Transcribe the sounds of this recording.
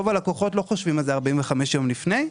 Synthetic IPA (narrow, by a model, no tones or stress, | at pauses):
ovalakoχo̞tlo̞χoʃvimalzeaʁbaimveχameʃjo̞mlifne̞j